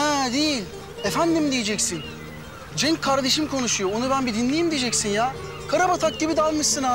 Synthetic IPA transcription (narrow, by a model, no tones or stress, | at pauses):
hɛːd̪ejilʲ | efænd̪imd̪ijed͡ʒɛcsin | d͡ʒɛɲckʰːaɾd̪e̞ʃimkʰo̞nuʃujoonubænbid̪inlʲejimd̪ijed͡ʒɛcsinjaː | kʰaɾabat̪ʰak̚d̪ibid̪alˠmɯʃsɯna